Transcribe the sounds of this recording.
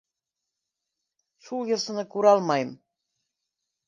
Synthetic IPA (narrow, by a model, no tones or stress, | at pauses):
ʃulˠjɤ̆sɤ̆nɤkuɾɑlˠmɑjm